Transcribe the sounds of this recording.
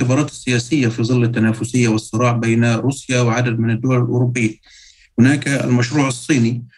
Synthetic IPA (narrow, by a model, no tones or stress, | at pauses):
ɪbɑːɾˤɑːt̪ɪ̥sːɪjaːsɪjːafiðˤɨlːat̪ːanaːfʊsɪjːawɨsˤːɨɾˤɑːʕbejnaɾuːsjawɪʕad̪ad̪̚mɪnad̪ːʊwalɪlʔʊ̰ɾʊbːɪjːa | hʊnaːkɪ̰lmaʃɾuːʕɑsˤːiːni